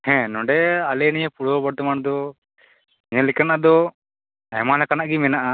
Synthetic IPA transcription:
hɛ̃nɔɖɛalɛnijɛpuɽɔbaɽt̪ɔmaɳ̃d̪ɔ | niɲɛlikanaʔad̪ɔ | ɛ̰malɛkanaʔɡimɛnaʔa

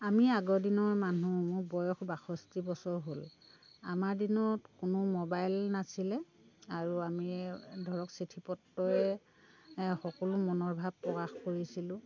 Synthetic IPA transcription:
amiaɡɔdinɔɹmanumʊɹbɔjɔxbaxɔstibɔsɔɹɦol | a̰maɹdinɔtkʊnʊmɔbajlnasilɛ | aɹuamidʱɔɹɔksetʰipɔtːɔɛ | xɔkɔlʊmɔnɔɹbʱab̚pɹɔkaxkoɹisilʊ̃

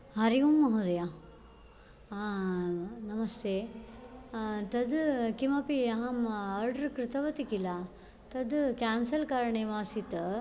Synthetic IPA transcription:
ɦɐɾijumːɐɦud̪ɐja | aː | nɐmɐst̪ʰeː | t̪ɐd̪kimɐpiɐɦɐmɐɾɖɾkɾɪt̪ɐʋɐt̪ikila | t̪ɐd̪kaːnsɐlkaːɾɐɳeːʋaːsit̪ɐ

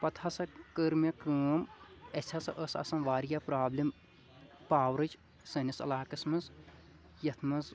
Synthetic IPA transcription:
pɐt̪ʰasɐkəɾmɐkuːmɐsʲʰɐsɐʔəsɐ̰sɐnʋaːɾjapɾaːblʲim | paːwɾɨt͡ʃ | sɐnɐsɐ̰laːkɐsmɐz | jɐt̪ʰmɐz

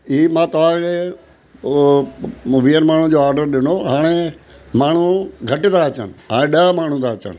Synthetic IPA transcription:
iːmãːt̪ɐʋ̤ãkʰeː | ʋiːənmaːɳ̤ũd͡ʑoːaːɾɖəɾɗɪnoɦaːɽ̃emaːɳ̤uɡʱɐʈɪt̪ʰaɐt͡ɕənɪ̆ɦaːɽ̃ẽɗəmaːɳ̤ũt̪ʰaːt͡ɕə̰nɪ̆

